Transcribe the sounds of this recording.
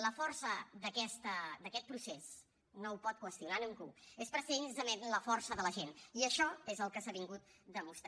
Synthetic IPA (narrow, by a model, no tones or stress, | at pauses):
ləfɔrsəd̪əkɛst̪əd̪əkɛt̪̚pɾuses | noupɔt̪̚kwəst̪iunaniŋɡuespɾəsenzəmenləfɔrsəðələʒeniəʃɔezəlˠkəsaβiŋɡut̪̚d̪əmust̪